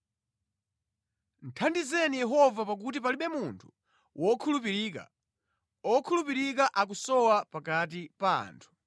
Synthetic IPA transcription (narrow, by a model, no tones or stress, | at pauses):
n̩tʰandizɛnijɛɦɔvapak̬ut̬ipaliɓɛmuntʰu̥ | wʔɔkʰulupiɾika̰ | ɔkʰulupiɾik̬aʔak̬usɔwapakat̬ipa̰ːntʰu̥